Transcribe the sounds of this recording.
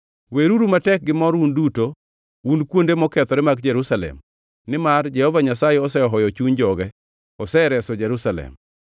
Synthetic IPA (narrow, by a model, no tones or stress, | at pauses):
weɾuɾumatɛk̚ɡɪmɔɾunduto | unkwondemɔkɛt̪ɔɾɛmaɡd͡ʒɛɾusalɛ̰m | nɪmard͡ʒɛhɔvaɲasajeɔsɛɔɦɔjɔt͡ʃuɲd͡ʒɔɡɛ | ɔsɛɾɛsɔd͡ʒeɾusalɛ̰m